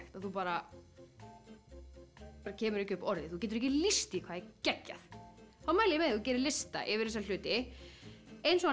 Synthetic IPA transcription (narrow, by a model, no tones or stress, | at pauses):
xt̪aðθupaːɾa | aɾacʰɛːmʏɾɛhcʏpɔɾðɪθu̥cɛːt̪ʏɾɛc̬ɪlist̪iikʰvaːðɪcɛcːa̰θθawmaːjljɪmɛðaθucɛːɾɪlɪst̪a̰ʔɪvɪɾ̥θɛsalʏːt̪ɪ | ejnsɔa